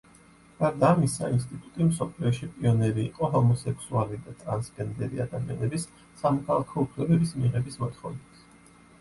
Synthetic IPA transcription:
ɡ̥aɾd̪aːmisa̰inst̪ʼit̪ʼut̪ʼimsɔpʰliɔʃipʼiɔnɛɾiːqʼɔɦɔmɔsɛkʰsualid̪at̪ʼɾansɡɛnd̪ɛɾiad̪amianɛbisː | amɔkʰalˠakʰɔupʰlɛbɛbismiʁɛbismɔt̪χɔvnɛt̪s

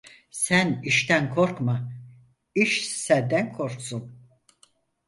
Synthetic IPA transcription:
sæniʃt̪ʰænkʰo̞ɾkma | iʃsænd̪ænkʰo̞ɾksun

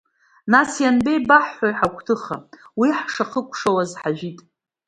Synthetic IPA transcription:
nasjanbe̞jbaħːʷajħakʷʰʼtʰɨχa̰wiħʂaχəkʷʰʼʂawazħaʒᶣitʼ

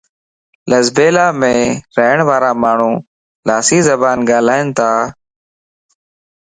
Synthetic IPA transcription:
ləzbeːlaːmẽːɾəɦɳʋaːɾaːmaːɳ̤ũː | laːsiːzəbaːnɡaːlaːɪnt̪ʰaː

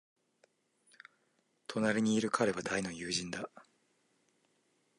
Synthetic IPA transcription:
t̪ʰo̞naɾʲiɲ̟iːɾɯ̟kʰaɾe̞βad̪aino̞jɯːʑĩnd̪a

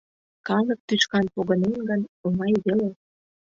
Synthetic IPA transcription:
kɑlɤ̆k̚t̪yʃkɑnpoɣə̆nenɡənumɑjβele

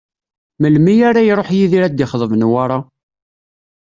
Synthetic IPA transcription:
məlmijaɾajɾˤoħjiðiɾæd̪iχðˤəvənwaɾˤɑ

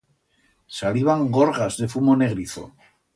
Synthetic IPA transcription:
saliβaŋɡo̞ɾɣazðe̞fumo̞ne̞ɣɾiθo̞̰

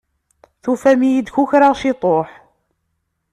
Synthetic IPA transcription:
θufæmijid̪çuçɾaʁʃɪt̪ˤoħ

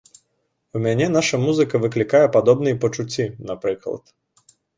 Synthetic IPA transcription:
umʲanʲɛn̪aʂɐmuzɨkɐvɨklʲikajɛpad̪ɔbnɨjpɐt͡ʂut͡sʲːinapɾɨklˠɐ̰t̪

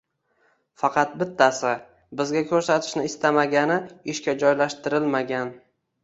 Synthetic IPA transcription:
fɑqʰɑt̪̚bɪt̪ʰːasɪ | bɪzɡʲakʲʰɵɾsat̪ʰɪ̥ʃnɪɪst̪amaɡʲanɪɪʃkʲad͡ʒɒjlaʃt̪ɪɾɪlmaɡʲan

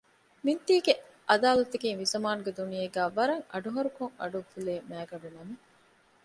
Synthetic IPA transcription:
mint̪iːɡe | ʔɐd̪aːlɐt̪ɐkiŋʋizɐmaːnuɡed̪unijeɡæːʋɐɾɐŋɐ̰ɖuɦɐɾukoŋɐ̰ɖufuleːmæːɡɐɖunɐmi

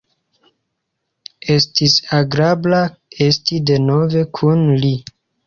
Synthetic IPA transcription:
e̞stisaɡɾablae̞stide̞no̞ve̞kʰunli

